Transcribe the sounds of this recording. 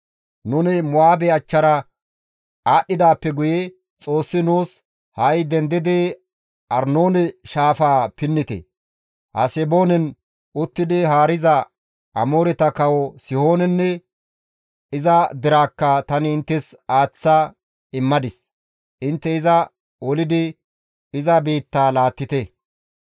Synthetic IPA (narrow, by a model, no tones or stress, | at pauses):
nʊnɪmʊaːbɛɐt͡ʃːɐɾɐ | aːɗːɪd̪aːpːɛɡʊjɛ | t͡sʼo̞ːsːɪnuːs | hɐjd̪ɛnd̪ɪd̪ɪ | ʔɐɾno̞ːnɛʃaːfaːpɪnːɪt̪ɛ̰ | hɐ̰sɛbo̞ːnɛn | ʊt̪ːɪd̪ɪɦaːɾɪzɐ | ʔɐmo̞ːɾɛt̪ɐkɐwɔsɪho̞ːnɛnːɛ | ɪzɐd̪ɪɾaːkːɐt̪ɐnɪːnt̪ːɛsaːt͡sːa | ɪmːɐd̪ɪs | ʔɪnt̪ːɛɪzɐ | ɔlɪd̪ɪ | ɪzɐbiːt̪ːaːlaːt̪ːɪt̪ɛ